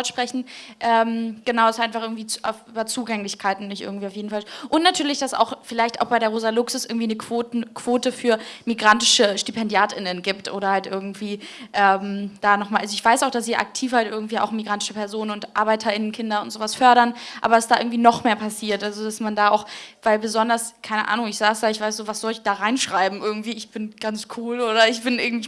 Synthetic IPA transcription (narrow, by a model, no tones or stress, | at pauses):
ɔʃpʁ̥ɛçn̩ʔɛːmɡ̥ənaʊasʔaɪnfaχʔɪɡŋ̩tv̥iːafʔyːbɐt͡suːɡɛŋlɪçkʰaɪtn̩nɪçtʔɪ̰ɐɡŋ̩tviːaʊfjeːdn̩falʔʊntnatʰyːɐlɪçd̥asa̰ʊxfɪlaɪçta̰ʊxb̥aɪɾeːɐʁoːzalʊksʊsɪ̰ɐɡŋ̩tiːnəkʰv̥okʰv̥oːtəfyːɐmiɡʁantɪʃəʃtipʰɛndjaːtɪnənɡiːptʔoːɾɐhaltʔɪɐɡŋ̩tv̥iːʔɛːmd̥aːnɔχmaːlʔazoɪçv̥aɪsaʊxd̥asv̥iːɐʔa̰k̚tʰiːfhaltʔɪɐɡŋ̩tv̥iːa̰ʊxmiɡʁantɪ̥ʃəpʰɛɐzoːnənʊntʔa̰ːɐbaɪtʰɐɪnənkʰɪndɐʊntz̥oːvasfœɐɾɐnʔaːbɐdasd̥aːʔɪ̰ɡŋ̩tv̥iːnɔχmeːɐpʰasiːɐtʔalzodasmandaːaʊxvaɪlbəzɔndɐskʰaɪnəʔa̰ːnʊŋɪçz̥aːsd̥aːɪçv̥aɪs̬z̥oːvasz̥ɔlɪçd̥aːʁaɪnʃʁ̥aɪbm̩ʔɪɐɡŋ̩tv̥iːɪçb̥ɪnɡ̥ant͡skʰuːloːɾɐɪçb̥ɪnʔɪɐɡŋ̩tv̥iː